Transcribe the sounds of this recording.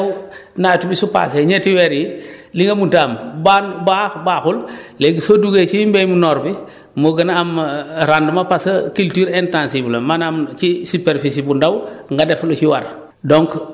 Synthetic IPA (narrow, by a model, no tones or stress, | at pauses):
wnatubisupa̰seɲetiwɛɾjiliŋɡɐmuntaːmbanbaxbaːxulleɡisoduɡet͡ʃimbɛjmunɔːɾbi | moɡɐnːmɾandmɐpasɐkiltyːɾɛntãnsiblɐmanamt͡ʃisipeɾfisibundawŋɡadɛflot͡ʃiwaɾ | dɔŋk